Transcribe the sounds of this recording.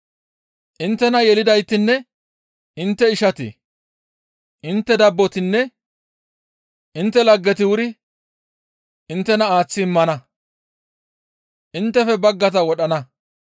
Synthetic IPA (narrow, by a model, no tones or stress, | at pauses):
ʔɪnt̪ːɛnɐjɛlɪd̪ɐjt̪ːɪnːɛ | ɪnt̪ːɛɪʃɐt̪ɪ̰ | ʔɪnt̪ːɛd̪ɐbːɔt̪ɪnːɛ | ʔɪnt̪ːɛlɐɡːɛt̪ɪwʊɾɪ | ɪnt̪ːɛnɐaːt͡sːɪːmːɐnɐ | ʔɪnt̪ːɛfɛbɐɡːɐt̪ɐwɔɗɐnɐ